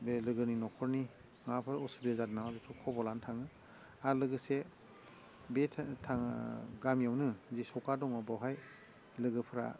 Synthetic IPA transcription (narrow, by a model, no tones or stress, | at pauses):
belɯɡɯninɔkʰɔɾni | ŋapʰɯɾɔsubiazatnawabepʰɯkʰɔbɔlantʰaŋɯ | aɾlɯɡɯse | betʰtʰaŋɡamijawnɯzisɔkadɔŋɔbawɦaj | lɯɡɯpʰɯɾa̰